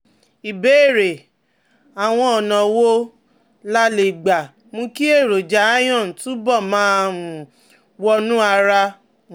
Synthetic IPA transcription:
i˨be˨˦˨ɾe˨ | a˨w̃ɔ̃˧ɔ˨nã˨wo˦ | la˦le˨ɡ͡ba˨ | mũ˧ki˦e˦˨ɾo˨d͡ʒa˨˦a˦j̃ɔ̃˦˨tũ˦bɔ˦˨mãː˦˧ũ˨ | wɔ˧nũ˦a˧ɾa˧

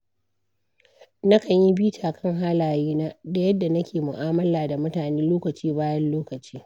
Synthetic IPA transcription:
nɐ˦kɐ˨ɲji˦biː˦tʰaː˨kʰɐ˦˨ŋɦaː˦laː˨jiː˦naː˦da˨jɐ˦dːa˨nɐ˦kʲeː˨mʊ˨ʔaː˦mɐ˦laː˨da˨mʊ˦taː˨neː˦loː˦kɐ˨t͡ʃiː˦baː˦jɐ˦nloː˦kɐ˨t͡ʃiː˦

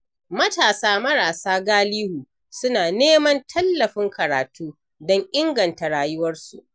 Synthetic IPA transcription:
mɐ˦taː˨saː˦mɐ˦ɽaː˨saː˦ɡaː˦liː˦huː˨ | sʊ˦naː˨neː˦mɐ˦ntʰɐ˦lːɐ˨ɸɪ˦ŋkɐ˨ɾaː˨tuː˦ | dɔ˦ŋʔɪ˦ŋɡɐ˨nta˨ɽaː˨jʊ˦wɐ˦rsṵ˨ʔ

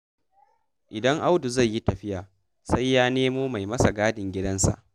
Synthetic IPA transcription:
ʔɪ˨dɐ˦ŋʔa˦wdu˨zɐ˦˨jːi˦tɐ˨ɸɪ˦jaː˨ | sa˦jːaː˦neː˦moː˦ma˨jmɐ˦sa˨ɡaː˦dɪ˨ŋɡʲɪ˦dɐ˦nsa̰˨ʔ

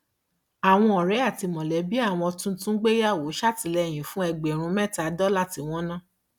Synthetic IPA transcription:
a˨w̃ɔ̃˧ɔ˨ɾɛ˨˦a˦˨ti˧mɔ̃˨lɛ˨˦bi˦a˦˨w̃ɔ̃˧tũ˦tũ˦ɡ͡be˦ja˦˨wo˨˦ʃa˦˨ti˨˧lɛ˧˨j̃ĩ˨fũ˦ɛ˧˨ɡ͡be˨ɾ̃ũ˨˧˦mɛ̃˦˨ta˧dɔ˦la˦ti˧w̃ɔ̃˦nã˦˨

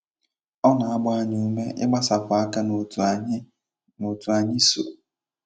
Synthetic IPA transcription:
ɔ˦na˨a˦bʊ˦a˦ɲɪ˦u˦me˦ʔɪ̰˦ɡ͡ba˦sa˨fa˦ka˦nʊ˨˦ | no˨tu˨a˨ɲɪ˦so˨

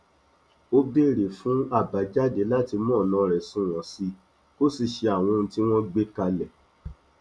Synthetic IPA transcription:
o˦be˦˨ɾe˨fũ˨˦a˦˨ba˨˦d͡ʒa˦de˨˦la˦ti˧mɔ̃ː˦˨lɔ̃˧˦ɾɛ˨sũ˦˨w̃ɔ̃˨si˧˦ | ko˦si˨ʃe˧a˨w̃ɔ̃˧ñ̩˧ti˦w̃ɔ̃˦ɡ͡be˦ka˧lɛ˨

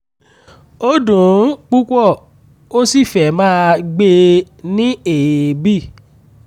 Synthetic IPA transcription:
o˦dũ˨˦k͡pu˦kʷɔ˦˨ | o˦si˦˨fɛ˨mãː˦ɡ͡be˧ | nĩ˦e˨jbi˦˨

